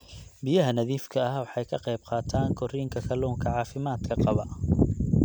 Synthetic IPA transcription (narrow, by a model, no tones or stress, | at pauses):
bɪjɐɦɐnɐðiːfkʰɐɐwɑħɑjkʰɐqɑjb̚qɑːt̪ʰaːŋkʰɔriːŋkʰɐkʰɐluːŋkʰɐʕɑːfɪmaːd̪kʰɐqɑβɐ